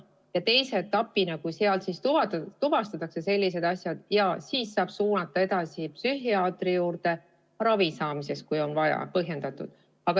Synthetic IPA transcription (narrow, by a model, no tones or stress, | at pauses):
jɑt̪e̞jset̪ːɑpːinɑkuseɑlt̪sist̪ut̪uvɑst̪ɑt̪ːˑɑkse̞se̞lʲːise̞d̪̥ɑsjɑd̪̥jɑsiːsːɑːb̥suːnɑt̪ːˑɑe̞d̪ɑsipsyɦiɑːt̪ˑrijuːɾt̪e̞ | ɾɑvisɑːmise̞skujo̞nvɑjɑ̰pɤɦje̞nd̪̥ɑt̪ːˑud̪̥ | ɑɡ̥ɑ